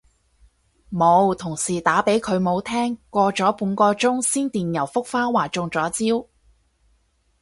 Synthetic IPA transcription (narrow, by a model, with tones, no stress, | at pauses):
mo˨˧wt̪ʰʊ˨˩ŋsiː˨˩t̪aː˨˥pe˨˥jkʰɵ˨˧ɥmo˨˧wt̪ʰɛː˥ŋkʷɔː˧t͡ʃɔː˨˥puː˨˥nkɔː˧t͡sʊ˥ŋsiː˥nt̪iː˨˩njɐ˨˩wfʊ˥k̚faː˥waː˨˩t͡ʃʊ˧ŋt͡sɔː˨˥t͡siː˥w